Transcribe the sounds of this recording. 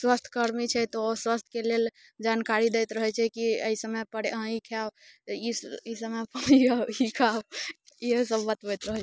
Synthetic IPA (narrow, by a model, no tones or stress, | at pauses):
swəst̪ʰkəɾmit͡ʃʰɛt̪ɔswəst̪ʰkelel | d͡ʒankaɾid̪ɛjt̪ɾəɦɛt͡ʃʰɛkiə̰isəmɛjpəɽẽikʰawiisəmɛpəɽiɡaikʰawiɦəsəbːət̪bɛjt̪ɾəɦɛ